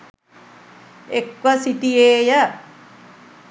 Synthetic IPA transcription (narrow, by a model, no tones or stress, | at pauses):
ekʋəsiʈijeːjə